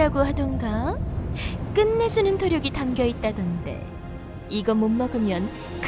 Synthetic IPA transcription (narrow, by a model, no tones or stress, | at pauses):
aɡohadɯŋɡa | k͈ɯnːe̞d͡ʑunɯntʰoɾjʌɡitamɡjʌit̚t͈adʌnde̞̰ | iɡʌmomːʌɡɯmjʌn | k